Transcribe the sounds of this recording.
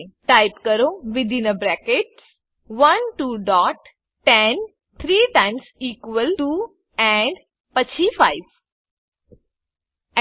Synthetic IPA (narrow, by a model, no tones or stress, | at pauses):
ʈaɪpkəɾoʋɪd̪ʱɪ̃nəbɾɛkeʈs | ʋɐnʈuːɖɔʈ | ʈɛn | t̪ʰɾiːʈãnsiːkʋəlʈuː | ɛ̃ɳɖ | pət͡ɕifaɪʋ